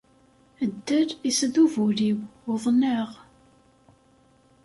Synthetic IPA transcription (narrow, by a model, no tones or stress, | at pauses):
əd̪ːəɾisðuvuɾiwʊðˤnəʁ